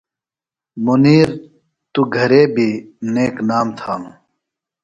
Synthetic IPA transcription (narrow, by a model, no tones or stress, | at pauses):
muniːɾ | t̪uɡʱɐɾeːbʱineːknaːmt̪ʰaːnũː